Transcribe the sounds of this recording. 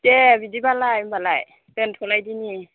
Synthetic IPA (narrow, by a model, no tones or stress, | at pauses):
tɛbidibalajmbalaj | tɯntʰolajdini